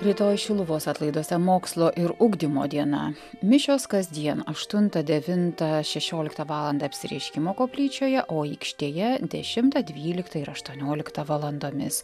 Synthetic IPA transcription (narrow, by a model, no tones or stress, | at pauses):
ɾʲɪt̪oːjʃʲɪlˠʊʋoːsɑːt̪lˠɐɪd̪oːsʲɛmoːkslˠoːʔɪɾʊɡd̪ʲimo̰ːd̪ʲiɛnɐ̰ | mʲɪʃʲoːskɐzʲd̪ʲiɛnɐʃt̪ʊnt̪ɐd̪ʲɛʋʲɪnt̪ɐʃʲɛʃʲoːlʲɪkt̪ɐʋɑːlˠɐnd̪ɑːɐpʲsʲɪɾʲɛ̰ɪʃʲkʲɪmoːkoːpʲlʲiːt͡ʃʲoːjɛʔoːɛkʃʲt̪ʲeːjɛd̪ʲɛʃʲɪmt̪ɐd̪ʲʋʲiːlʲɪkt̪ɐɪɾɐʃt̪uɔnʲoːlʲɪkt̪ɐʋɐlˠɐnd̪oːmʲɪs